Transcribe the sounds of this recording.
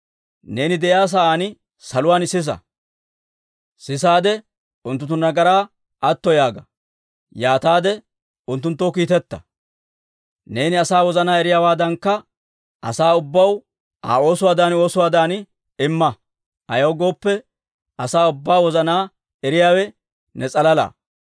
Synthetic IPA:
ne̞ːnɪd̪ɛʔjaːs̬aʔaːnɪ | sɐlʊwaːnɪsːɪs̬ɐ̰ | sɪsaːd̪ɛ | ʊnt̪̬ːʊt̪ːʊnɐɡɐɾaː | ʔɐt̪ːɔjaːɡɐ | jaːt̪aːd̪ɛ | ʊnt̪ːʊnt̪ːoːk̬iːt̪ɛt̪ːɐ | ne̞ːnɪɐsaːwɔzɐnaːɛɾɪjaːwaːd̪ɐŋkːɐ | ɐ̰saːʊbːɐw | a̰ːo̞ːsʊwaːd̪aːno̞ːsʊwaːd̪aːn | ɪmːɐ | ɐjɐwɡo̞ːpːɛ | ɐsaːʊbːaːwɔzɐnaː | ɛɾɪjaːwɛ | nɛt͡sʼɐlɐla̰ː

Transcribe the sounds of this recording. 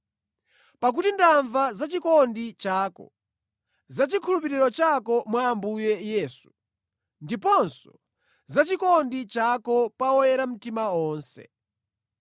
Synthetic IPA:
pak̬utindaɱvazat͡ʃikɔndit͡ʃaːkɔ̰ | zat͡ʃikʰulupiɾiɾɔt͡ʃakɔmwaːmbujɛjɛːsu | ndipɔnsɔ | zat͡ʃikɔndit͡ʃakɔpawɔjɛɾam̩timaɔːnsɛ̰

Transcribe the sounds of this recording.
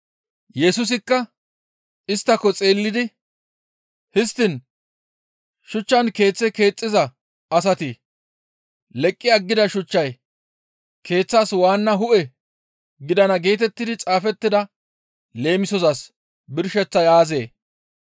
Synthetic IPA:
jɛsʊs̬ɪkːɐ | ɪst̪ːɐkːɔt͡sʼe̞ːlːɪd̪ɪ | hɪst̪ːɪn | ʃʊt͡ʃːɐnke̞ːt͡sːɛke̞ːt͡sʼːɪzɐ | ɐs̬ɐt̪ɪ | lɛkʼːɪɐɡːɪd̪ɐʃʊt͡ʃːɐj | kʰe̞ːt͡sːaːswaːnːɐɦʊʔɛ | ɡɪd̪ɐnɐɡe̞ːt̪ɛt̪ːɪd̪ɪt͡sʼaːfɛt̪ːɪd̪ɐ | le̞ːmɪsɔzɐs | bɪɾʃɛt͡sːɐjaːze̞ː

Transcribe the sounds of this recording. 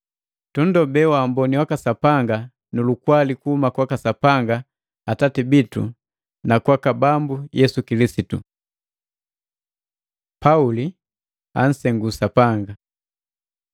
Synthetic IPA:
tundɔbɛwambɔniwakasapaŋɡa | nulukwalikuhumakwakasapaŋɡa | atatibitṵ | nakwakabambujɛsukilisitṵ | pauli | a̰n̩sɛŋɡusapaŋɡa

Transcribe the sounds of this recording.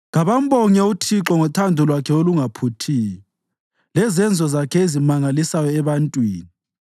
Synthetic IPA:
ŋaβambɔɲɛutʰiǁɔŋɔtʰandʱɔlwakʰɛoluŋapʰutʰiːjɔ | lɛzɛnd͡zʱɔzakʰɛezimaŋalisajɔɛβantʼwiːni

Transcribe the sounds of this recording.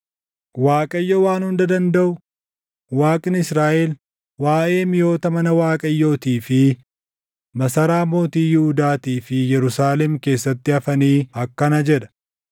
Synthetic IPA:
waːkʼɐjːowaːnhʊnd̪ɐd̪ɐnd̪ɐʔʊ | waːkʼɪnɪsɾaːʔɛl | waːʔe̞ːmɪjo̞ːt̪ɐmɐnɐwaːkʼɐjːo̞ːt̪iːfɪ | mɐsɐɾaːmo̞ːt̪iːjɪhʊd̪aːt̪iːfɪjɛɾʊsaːlɛmke̞ːsːɐt̪ːɪɐfɐniːɐkːɐnɐd͡ʒɛᶑ̪ɐ̥

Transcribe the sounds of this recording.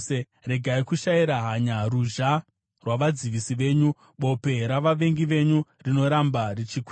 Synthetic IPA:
e | re̞ɡʱaikuʃaiɾaɦaɲaruʒa | rwaʋad͡ziʋisiʋe̞ːɲu | ɓo̞pe̞ɾaʋaʋe̞ŋɡiʋe̞ɲurino̞ɾambarit͡ʃikw

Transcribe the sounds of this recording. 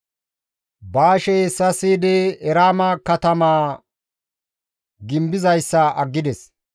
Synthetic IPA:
baːʃɛjsɐsiːd̪ɪɛɾaːmɐkɐt̪ɐmaː | ɡɪmbɪzɐjsːɐʔɐɡːɪd̪ɛs

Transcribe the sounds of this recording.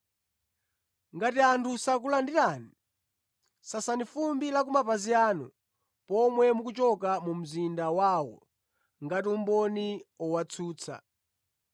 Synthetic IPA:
ŋɡatiantʰusak̬ulandiɾaːni | sasanifumbilak̬umapaziaːnu | pɔmwɛmukut͡ʃɔkamum̩zindawaːwɔ̰ | ŋɡatiumbɔniɔwat͡sʰuːt͡sʰa̰

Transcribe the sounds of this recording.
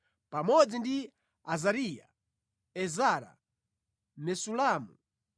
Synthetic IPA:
pamɔd͡zindi | azaɾija̰ | ɛzaɾa̰ | nɛsulamu

